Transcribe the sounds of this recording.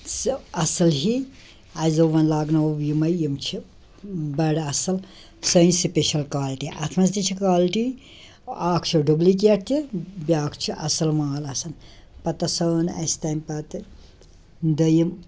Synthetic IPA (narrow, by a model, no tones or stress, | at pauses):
sɐsɐlɦi | ɐjzoʋɐnlaːɡnɐʋʋjimɐjjimt͡ʃʰi | bɐɽɐsɐl | sɐnsipeʃɐlkaːlʈiʔɐ̰t̪ʰmɐst̪it͡ʃʰikaːlʈi | aːkʰt͡ʃʰiɖublik̬iɐʈʰt̪ʰibʲaːkʰt͡ʃʰiʔɐ̰sɐlmaːlɐsɐn | pɐt̪ɐsɐːnɐ̰st̪ɐːmpɐt̪ɨ | d̪ɐjim